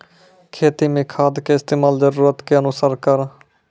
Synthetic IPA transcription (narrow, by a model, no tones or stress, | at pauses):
kʰeːt̪imẽːkʰaːd̪keɪst̪eːmaːld͡ʒəɾuːɾət̪keənʊsəɾkəɾ